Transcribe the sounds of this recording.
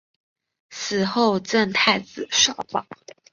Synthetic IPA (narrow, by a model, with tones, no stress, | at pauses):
sɹ̩˨˩xo˥˧ʊʈ͡ʂə˥˧nt̪ʰa˥˩ɪt͡sɹ̩˨˩˦ʂɑ˥˩ʊpɑ̰˨˦